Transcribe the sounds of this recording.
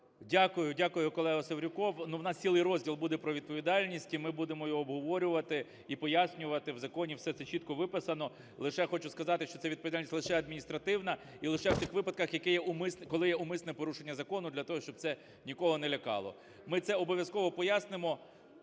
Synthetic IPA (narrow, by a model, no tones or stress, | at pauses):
dʲakʊjʊdʲakʊjʊkɔlˠɛɦɔsɔʋɾʲʊkɔwnuwnɑstt͡sʲilˠɪjɾɔzʲdʲilˠbud̪ɛpɾɔʋʲid̪̚pɔʋʲid̪ɑlʲnʲisʲtʲimɪbud̪emɔjɔːbɦɔʋɔɾʲʊʋɐt̪ɪ | ipɔjasʲnʲʊʋɐt̪ɪwzɐkɔnʲiwsɛt̪sɛt͡ʃit̪̚kɔʋɪpɪsɐnɔ | lˠɪʃɛxɔt͡ʃʊskɐzɑt̪ɪʃt͡ʃɔt̪sɛʋʲid̪̚pɔd̪alʲisʲlˠɪʃɛɐd̪minʲist̪ɾɐt̪ɪwnɐ | ilˠɪʃɛwt̪ɪxʋɪpɐd̪kɐxjɐkɛjɛʊmɪskɔlˠɪjɛʊmɪsnɛpɔɾuʃenʲːɐzɐkɔnʊd̪lʲɐt̪ɔɦɔʃt͡ʃɔb̪̚sɛ | nʲikɔɦɔnɛlʲɐkɑ̰lˠɔ̰ | mɪt̪sɛɔbɔʋʲjɐskɔʋɔpɔjasnɪmɔ